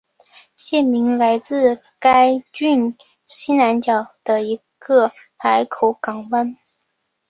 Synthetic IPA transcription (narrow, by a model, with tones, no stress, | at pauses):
ɕjɛ˥˩nmi˧˥ŋla˧˥ɪt͡sɹ̩˥˧ | ka˥ɪt͡ɕy˥˩n | ɕi˥na˧˥nt͡ɕjɑ˨˩ʊd̪̥ə˦i˧˥ | ɡ̥ə˥˧ | pʰa˧˥ɪkʰo˧˩ʊkɑ˨˩ŋwa˥n